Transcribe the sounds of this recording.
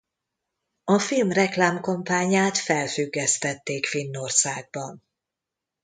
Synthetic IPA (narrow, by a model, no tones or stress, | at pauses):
ɒfilmrɛklaːmko̞mpaːɲaːt̪fɛlfyɡːɛst̪ɛt̪ːeːkfinːo̞rsaːɡ̚bɒn